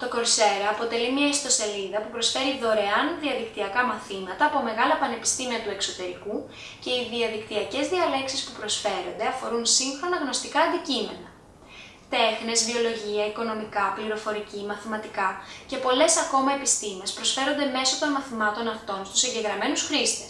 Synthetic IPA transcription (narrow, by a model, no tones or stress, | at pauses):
t̪o̞ko̞ɾse̞ɾɐːpo̞t̪e̞limɲɐist̪o̞se̞liðɐpupɾo̞sfe̞ɾiðo̞ɾe̞ɐnðiɐðikt̪iɐkɐmɐθimɐt̪ɐːpo̞me̞ɣɐlɐpɐne̞pi̥st̪imiɐt̪ue̞kso̞t̪e̞ɾiku | ce̞iðiɐðikt̪iɐce̞zðiɐle̞ksispupɾo̞sfe̞ɾo̞nd̪eɐfo̞ɾunsiŋxɾo̞nɐɣno̞st̪ikɐːnd̪icime̞nɐ | t̪e̞xne̞zvio̞lo̞ʝiɐiko̞no̞mikɐpliɾo̞fo̞ɾicimɐθimɐt̪ikɐce̞po̞le̞sɐko̞mɐe̞pist̪imiespɾo̞sfe̞ɾo̞nd̪e̞me̞so̞t̪o̞nmɐθimɐt̪o̞nɐft̪o̞nst̪usiɲɟeɣɾɐme̞nusxɾist̪es